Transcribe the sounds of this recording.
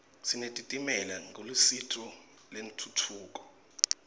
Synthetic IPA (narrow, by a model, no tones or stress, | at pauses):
sinetʼitʼimɛlaŋʱolusitʰɔ | len̩tʰutʰuːk̬ʼɔ̥